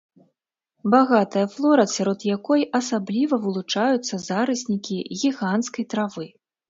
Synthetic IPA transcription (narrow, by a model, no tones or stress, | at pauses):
baɣat̪ɐjɐflˠɔɾɐsʲaɾɔd̪jakɔjʔɐsablʲivɐvɨlˠut͡ʂajut̪sːɐzaɾɨsʲnʲikʲiɣʲiɣant̪skɐjt̪ɾavɨ